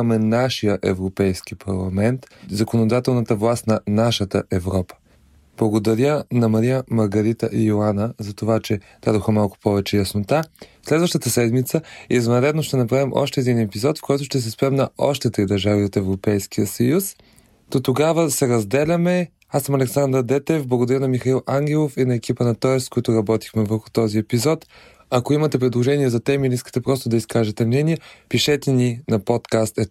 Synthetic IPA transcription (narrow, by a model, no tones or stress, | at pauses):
mɛnaʃijəʔɛvɾopɛjsk̟ipʰɐɾlˠɐmɛnt̪zɐkonod̪at̪ɛlˠnət̪əvlˠast̪nɐnaʃət̪əʔɛvɾɔpə̥ | b̥lˠɐɡod̪ɐɾʲjənɐmɐɾijəmɐɾɡɐɾit̪əʔiolanəzɐt̪ovat͡ʃɛ | d̪̥ad̪oxəmalˠkʊ̥pɔvɛt͡ʃɛjɐsnot̪aslɛd̪vəʃt̪ət̪əsɛd̪mit̪səiɛzvɐnɾɛd̪noʃt̪ɛnɐpɾavimʔɔ̰ʃt̪ɛːd̪inɛpizɔt̪fkɔjt̪ʊʃt̪ɛs̬ɛspɾɛmnɐɔʃt̪ɛt̪ɾid̪ɐɾʒaviot̪ɛvɾopɛjskijəsɐjus | d̪̥ot̪oɡavəsɛɾɐzd̪ɛlʲɐmɛ | asɐmɐlɛksand̪ɾəd̪ɛt̪ɛvblˠɡʊd̪ɐɾənɐmixɐilˠaŋɡʲɛlˠofinɐɛk̟ipənɐt̪ɔjɛskoit̪ʊɾɐbɔt̪i̥xmɛvəɾxʊ̥t̪ɔziɛpizɔt̪ | ɐkoimɐt̪ɛpɾid̪lˠoʒɛniɛzɐt̪ɛmilɛiskə̥t̪ɛpɾɔst̪ʊd̪ɐiskaʒɛt̪ɛmnɛniɛpiʃɛt̪ɛninɐpot̪kast̪ɛ